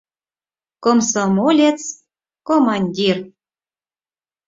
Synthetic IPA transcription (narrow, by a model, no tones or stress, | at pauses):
komsomolʲet͡s | komɑnʲdʲir